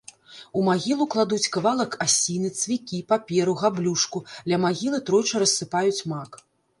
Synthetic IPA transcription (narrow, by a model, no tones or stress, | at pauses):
umaɣʲilˠuklˠad̪ut͡sʲkavalˠɐkasʲinɨt̪svʲikʲipapʲɛɾuɣablʲuʂkulʲɐmaɣʲilˠɨt̪ɾɔjt͡ʂɐɾɐsːɨpajut͡sʲmak